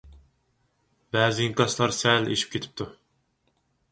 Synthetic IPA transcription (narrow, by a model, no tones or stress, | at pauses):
bæːzɪiŋkɑslˠɑɾsɛlḛʃi̥p̚kʲet̪ʰi̥p̚t̪ʰu